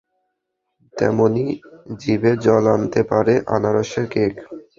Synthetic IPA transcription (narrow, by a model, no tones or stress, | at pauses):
t̪ɛ̰monid͡ʑibeɾd͡ʑɔlant̪epaɾeʔa̰naɾoʃeɾkek